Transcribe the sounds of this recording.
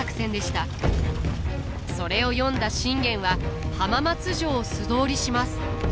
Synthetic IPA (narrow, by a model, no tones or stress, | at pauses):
akɯ̥sẽ̞nd̪e̞ɕi̥t̪a | so̞ɾe̞o̞jõ̞nd̪aɕĩŋɡẽ̞ɰ̃βahamamat͡sɨʑo̞ːsɨd̪o̞ːɾʲiɕimasɨ̥